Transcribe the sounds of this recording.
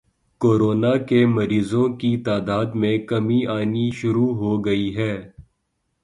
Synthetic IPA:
koːɾoːnakemɐɾiːzõkit̪aːd̪aːd̪mẽkɐmiaːniʃʊɾuɦoɡɐiɦɛː

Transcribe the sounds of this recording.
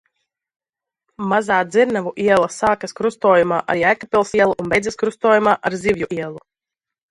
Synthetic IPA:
mazaːd̪ziɾnavuʔiɛlˠasaːkaskɾust̪ɔːjumaːʔa̰ɾiːajkapʲilˠsiɛlˠuʔunbɛjdzɛskɾust̪ɔːjumaːʔaɾzivjuʔiɛlˠu

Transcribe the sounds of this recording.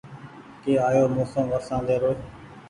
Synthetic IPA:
keːaːjoːmoːsəmʋəsãːleːɾoːe

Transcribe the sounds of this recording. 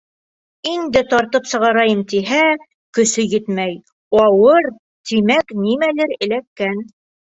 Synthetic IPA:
ind̪ɘt̪ɑɾt̪ɤpsɤ̆ʁɑɾɑjɤmt̪iɦæ | kɵ̆sɵjɘt̪mæj | ɑwɤɾ | t̪imæknimælɘɾɘ̆lækːæn

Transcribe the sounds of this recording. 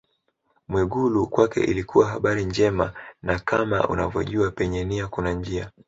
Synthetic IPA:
mwɛɠulukwakɛ̰ʔilikʰuwaɦaɓaɾiɲd͡ʒɛmanakama̰ṵnavjɔ̰ʄuapɛɲɛniakunand͡ʒia

